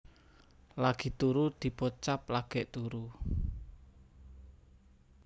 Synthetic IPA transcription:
laɡ̥i̤t̪uɾud̪̥i̤pot͡ʃaplaɡ̥ɛʔt̪uɾu

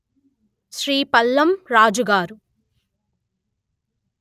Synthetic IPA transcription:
ʃɾiːpɐlːɐmɾaːd͡ʒuɡaːɾu

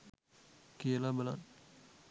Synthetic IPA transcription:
keːlabɐla̰n

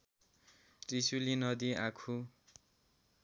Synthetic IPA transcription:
ʈisulinʌd̪iakʰu

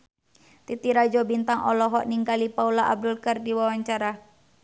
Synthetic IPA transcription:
t̪it̪iɾad͡ʒɔbint̪aŋʔɔ̰lɔɦɔʔniŋɡalipaulaʔa̰b̚dulkərdiwawaɲt͡ʃaɾa

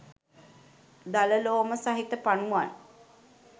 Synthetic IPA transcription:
d̪aləloːməsaɦit̪əpanuʋan

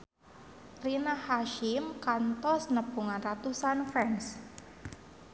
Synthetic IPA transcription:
rinahaʃɪmkant̪ɔsnəb̥ṳŋanrat̪usanfɾɛns

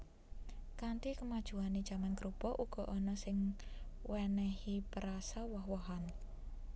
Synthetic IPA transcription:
kant̪ikəmad̥ʒ̥ṳanid̥ʒ̥a̤mankɾub̥ɔ̤ʔuɡ̥ɔ̤ʔɔnɔsɪŋwɛnɛhipəɾasawɔɦwɔɦan

